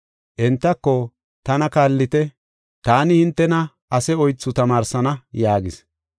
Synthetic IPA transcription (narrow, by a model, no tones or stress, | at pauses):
ʔɛnt̪ːɐkːɔ | t̪ɐnɐkaːlːɪt̪ɛ | t̪aːnɪhɪnt̪ːɛnɐ | ʔɐsɛɔjt͡sːʊt̪ɐmaːɾsɐnɐjaːɡɪs